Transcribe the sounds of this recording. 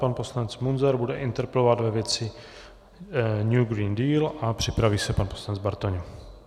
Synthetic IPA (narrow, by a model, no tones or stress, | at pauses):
panposlaɲɛt͡smunzɛɾbudɛʔɪnt̪ɛɾpɛlovad̪vɛvjɛt͡sɪ | ɲjuɡɾiːndiːlʔapr̝̥ɪpɾaviːsɛpanposlanɲɛd͡zbaɾt̪oɲu